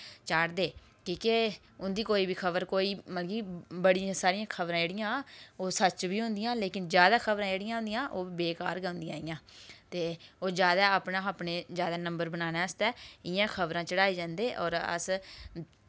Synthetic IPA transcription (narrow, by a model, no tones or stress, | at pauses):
t͡ʃaːɽd̪eː | kiːke | ʊnd̪iːkoːiːbiːkʰəbəɾkoːiːməlɡiːbəɽɪjãːsaːɾɪjãːkʰəbɾãːeːɽɪjãːoːsət͡ʃbiːɦʊ̃nd̪ɪjãːleːkɪnd͡ʒjaːd̪aːkʰəbɾãːeːɽɪjãːɦʊnd̪ijãːʔoːʋiːbeːka̰ːɾɡɛ̃ʊ̃nd̪ijãːijãːt̪eːoːd͡ʒjaːd̪aːaːpnãːapneːzjaːd̪aːnə̃mbəɾbənaːnɛːəst̪ɛːɪjãːkʰəbɾãːt͡ʃəɽaːiːd͡ʒãːnd̪eːʔɔ̰ːɾə̰s